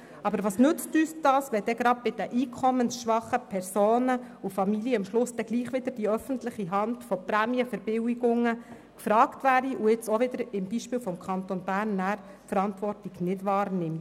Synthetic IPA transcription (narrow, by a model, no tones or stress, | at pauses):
ɑbəɾʋɑsnʉt͡styːsd̥ɑːsʋɛdɛɡɾɑd̚bɪd̥əʔiːkʰɔmənsʃʋɑχəpʰɛrsoːnəufɑmiljəɑmʃlʊsd̥ɛɡ̥liːχʋɪd̥̪əɾd̥iœfəntlɪχiɦɑndfɔpɾæːmiəfəɾb̥ɪwiɡʊŋːə | kfɾɑːktʋæːɾiʔuɪt͡sɔʋɪdəɾɪmbiːʃpɪːwfɔmkʰɑnt̪onbæːɾnːæːɾ | fəɾɑntvɔrtiɡ̥nɪdʋɑːrnɪmt